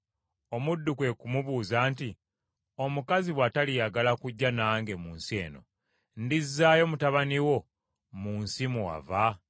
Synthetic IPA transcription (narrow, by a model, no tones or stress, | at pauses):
o̞mudːukwe̞kumuβuːzaːnti | o̞mukaziβwatalijaɡalakuɟːanaːŋɡe̞muːnsie̞ːno̞̰ | ndizːaːjo̞mutaβaniwo̞ | muːnsimua̰va